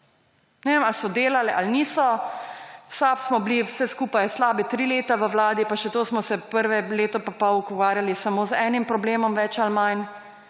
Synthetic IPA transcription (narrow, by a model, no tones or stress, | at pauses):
nɛʋeːmalsɔd̪eːlalɛʔalniːsɔ | wsapsmɔbliwsɛskuːpajslaːbit̪ɾiːleːt̪aʋəwlaːd̪ipaʃɛt̪oːsmɔsɛpəɾʋɛleːt̪ɔpapɔwukɔʋaːɾjalisamoːzɛːnimpɾɔbleːmɔmʋɛt͡ʃalmajn